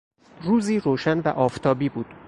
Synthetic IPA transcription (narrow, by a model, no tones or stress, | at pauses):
ruːziːɾoːʃænvæʔɒːft̪ʰɒːbiːbuːd̪̥